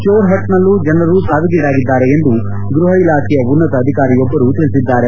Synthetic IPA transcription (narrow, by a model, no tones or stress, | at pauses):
t͡ʃoːɾɦɐt̪nɐlːud͡ʒɐnrɐɾusaːʋiɡiːɽaːɡid̪ːaːɾe̞end̪u | ɡɾuɦɐilaːkʰijɐʋunːɐt̪ɐːd̪ʱikaːɾijɔbːɐɾut̪iɭisid̪ːaːɾe